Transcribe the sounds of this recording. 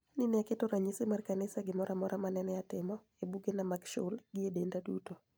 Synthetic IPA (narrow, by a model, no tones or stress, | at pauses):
nɪnɛakɪtoɾaɲisɪmarkanɪsaɡɪmɔɾʔamɔɾʔamanɛnɛatɪmɔ | ebuɡenamaɡʃʊ̰lɡɪedendadṵto